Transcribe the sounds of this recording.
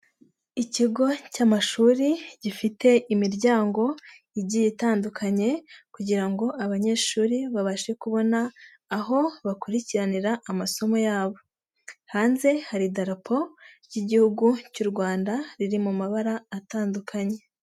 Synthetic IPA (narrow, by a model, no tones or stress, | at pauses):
iciɡo̞camaʃuːɾiɟ̥ifite̞ʔimiɾɟaːŋɡo̞ | iɟijitaːndukʰaɲe̞kuɟiɾaŋɡo̞aβaɲe̞ːʃuːɾiβaβaʃekuβo̞naː | ɦo̞βakuɾiciɾaniɾaʔːmaso̞mo̞jaːβo̞ | haːnze̞haɾidaɾapʰo̞ | ɟiɟihuɡucuɾɡwaːndaɾiɾimumaβaɾaːtaːndukʰaɲe̞